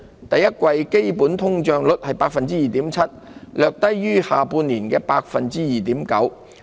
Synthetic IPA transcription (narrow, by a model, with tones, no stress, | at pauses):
t̪ɐ˨jɐ˥t̚kʷwɐ˧jke˥jpuː˨˥nt̪ʰʊ˥ŋt͡ʃœː˧ŋlʊ˥t̚hɐ˨jpaː˧k̚fɐ˨nt͡siː˥jiː˨t̪iː˨˥mt͡sʰɐ˥t̚lœː˨˧k̚t̪ɐ˥jɥyː˥haː˨˩puː˧nliː˨˩nkɛː˧paː˧k̚fɐ˨nt͡siː˥jiː˨˩t̪iː˨˥mkɐ̰˨˥w